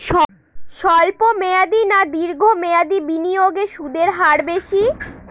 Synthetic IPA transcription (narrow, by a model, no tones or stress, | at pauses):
ʃɔ | ʃɔlpomead̪inad̪iɾɡʱomead̪ibinijoɡeʃud̪eɾɦaɾbeʃi